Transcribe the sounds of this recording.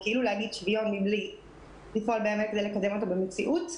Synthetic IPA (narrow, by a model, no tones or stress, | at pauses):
keilulehaɡid̪ʃvijonmimli | lifoalbeamekedejlekad̪e̞mo̞t̪obemet͡siʔut